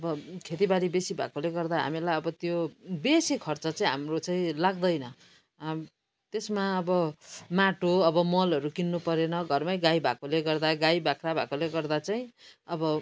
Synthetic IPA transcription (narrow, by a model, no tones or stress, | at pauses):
ʌbʌkʰet̪ibaɾibesibʱa̰koleɡʌrd̪aɦa̰milajʌbʌt̪jobesikʰʌrt͡sʌt͡saĩɦa̰mrot͡saĩlaɡd̪ʌjnʌ | t̪esmaʌbʌmaʈoʌbʌmʌlɦʌɾukinːupʌɾenʌɡʱʌrmajɡajbʱa̰koleɡʌrd̪aɡajbakɾabʱa̰koleɡʌrd̪at͡saĩʌbʌ